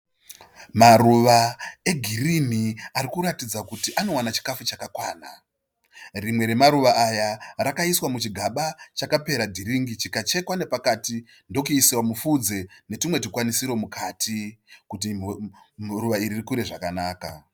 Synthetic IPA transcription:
maruʋae̞ɡʱirim̤iaɾikuɾatid͡zakutiʔano̞wanat͡ʃi̥kafut͡ʃakakwaːna̰ | rimwe̞ɾe̞maɾuʋaːjarakaiswamut͡ʃiɡʱaɓat͡ʃakape̞ɾadʱiɾiŋɡit͡ʃikat͡ʃe̞kwane̞pakati | ndo̞kuisiwamufud͡ze̞ne̞timwe̞tikwanisiɾo̞mukatʰikuti | ruʋaiɾirikuɾe̞ʐakanaːka̰

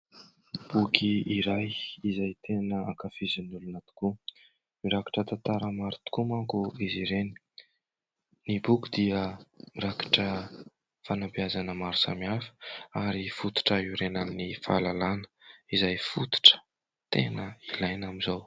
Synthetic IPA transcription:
b̥ukʰiiɾajizajt̪ʰenəakafizinulunat̪u̥ku | miɾaki̥ʈ͡ʂət̪at̪aɾəmaɾut̪u̥kumakuiziɾeni̥ | nibukʲid̪iəmiɾaki̥ʈ͡ʂə | fanabiazanəmaɾusa̰miafə̥aɾifut̪u̥ʈ͡ʂəiɾenannifa̰lalanə̥izajfut̪u̥ʈ͡ʂə̥ | t̪enəilajnamizow

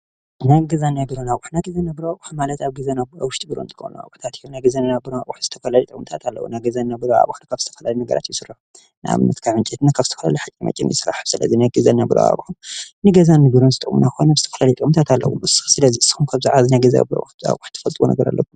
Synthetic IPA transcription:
naɡɐzanabɨɾonawuħnajɡɐzanɐbɨɾoawuħmalɐt̪aβɡɐzanaawʊʃt̪ʼɨɡɨɾo̰nt̪ʰɨ̥xo̰nua̰wuħt̪ʰat̪ɨjonajɡɐzannabɨɾoaʔʼuħz̥ɨt̪ʰɐfɐlalɐjt̪ʼkʼmɨt̪ʰat̪ʰalːɐ̰wunajɡɐzannabɨɾoa̰βuħnɨkʰaβzɨt̪ʰɐ̥fɐlaljnɐɡɐ̰ɾa̰t̪jɪsɨrɨħu | nʔa̰βmɨt̪kʰaʕɨnt͡ʃʼet̪nakʰaβzɨt̪ʰɐ̥fɐla̰liħakʼimɐ̰t͡ʃʼːinjḭsɨɾa̰ħɨsɨlɐ̰zinajɡɨzɐnabɨɾo̰a̰βuħumnɨɡɐzanːɨɡɨɾonzɨt̪ʼɨkʼmṵnaxojnazɨt̪ʰɐfɐlaljt̪ʼɨkʼmɨt̪ʰat̪alːɐ̰wṵmɨsɨ̥xsɨlɐziɨsːi̥xumkʰaβzaʕazinajɡɐza̰bɾo̰za̰wʊħt̪ʰɐfɐlt̪ʼwṵnɐ̰ɡɐɾa̰lːɐ̰kʰːum

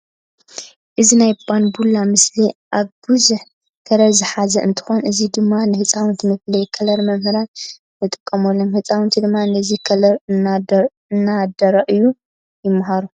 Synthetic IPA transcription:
ʔɨzinajbanbulːamɨsliʔaβbɨzuħ | kʰɐɾɐzɨħazɐʔɨnt̪ʰɨ̥xonʔɨzid̪ɨmːanɨhɨt͡sʼawnt̪ʰimɨflɐjkʰɐlɐɾmɐmhɨɾan | nɨt̪ʼɨ̥kʼːɐmolːomhɨt͡sʼawɨnt̪ʰid̪ɨmːanɐzikʰlɐɾ | nːad̪ɐɾɐʔɨjːu | jɪmːɐɦaɾu

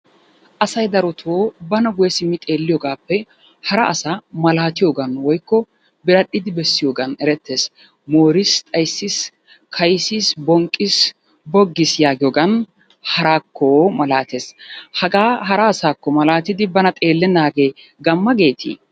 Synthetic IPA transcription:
ʔɐsɐjd̪ɐɾɔt̪ʰoːbɐnɐɡʊjɛsɪmːɪt̪ʼe̞ːlːɪjɔɡaːpːɛ | hɐɾɐʔɐsaːmɐlaːt̪ɪjoːɡɐnwɔjkːɔ | bɪɾɐɗːɪd̪ɪbɛsːɪjoːɡɐnɛɾɛt̪ːe̞ːs | moːɾɪst̪ʼɐjsːis | kʰɐjsːiːsbɔŋkʼːɪs | bɔɡːɪsjaːɡɪjɔɡɐn | hɐɾaːkːomɐlaːt̪e̞ːshɐɡaːɦɐɾɐːsaːkːɔmɐlaːt̪ɪd̪ɪbɐnɐt̪ʼe̞ːlːɛnaːɡe̞ː | ɡɐmːɐɡe̞ːt̪ʰḭː

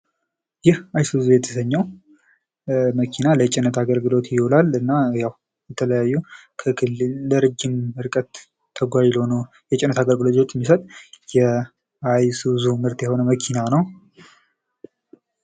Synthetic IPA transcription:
jɪhajswɨzujɛt̪ʰə̥səɲːɛw | məkʰinalət͡ʃʼɪnːət̪ʰaɡəlɡɨlo̞t̪jɪholalɨnːajaw | jɛt̪ʰələjajːukʰəkʰɨlɨlːəɾɨd͡ʒːɪmɨɾkʼət̪ʰː | əɡʷajlonə | jɛt͡ʃʼɪnːət̪ʰaɡəlɡɨlo̞t̪t̪ɛmːisət̪ʼjɛ | ajszumɨɾt̪jɛho̞nəməkʰinanəw

